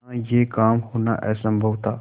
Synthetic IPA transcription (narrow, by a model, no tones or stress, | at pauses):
jeːkaːmhoːna̰ʔɛ̰ːsə̃mbʱəʋt̪aː